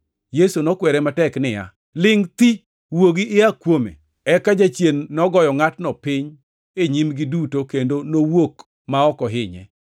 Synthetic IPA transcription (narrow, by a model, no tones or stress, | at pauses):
jesunɔkwɛɾɛmatɛknɪja̰ | lɪŋt̪i | woɡiʔɪakwomḛ | ɛkad͡ʒat͡ʃjenːɔɡɔjɔŋatnɔpɪɲ | eɲimɡɪdutokendonowok | maɔkɔɦɪɲɛ̰